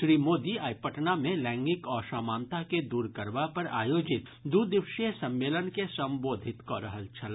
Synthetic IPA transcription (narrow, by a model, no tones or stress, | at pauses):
ʃɾiːmoːd̪iaːjpəʈnamẽlɛ̃ːŋɡɪkɔːɾʃaːmaːnt̪aked̪uːɾkəɾʋapɐɾa̰ːjoːd͡ʒɪt̪ | d̪uːd̪ɪʋʃesɐ̃mːeːlənkesɐ̃mboːd̪ʱɪt̪koɾɐɦəlt͡ʃʰɐl